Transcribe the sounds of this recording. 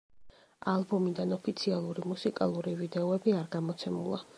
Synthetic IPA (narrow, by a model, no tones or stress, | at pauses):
alˠbɔmid̪anɔpʰit̪sʰialˠuɾimusikʼa̰lˠuɾivid̪ɛɔɛbiaɾɡamɔt̪sʰɛmulˠa̰